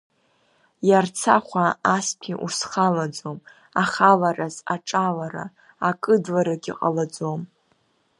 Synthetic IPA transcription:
jart͡sʰaχʷaaspʰiʔṵsχalad͡zom | aχalaɾazaʈ͡ʂʼalaɾa̰ː | kʼɨdlaɾaɡʲiqʼalad͡zom

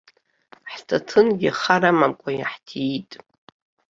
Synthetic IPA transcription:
ħtʰatʰɨnɡʲiχaɾamamkʷʼaja̰ħtʰitʼ

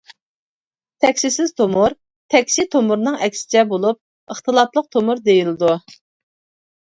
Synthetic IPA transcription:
t̪ʰɛkʲsisɪz̥t̪ʰomuɾ | t̪ʰɛkʲsit̪ʰomʊɾnɨŋɛkʲsɪ̥t͡ʃʰɛbolˠup̚ | əχt̪ʰəlˠɑplˠəq̚t̪ʰomuɾd̪ejilɨd̪u

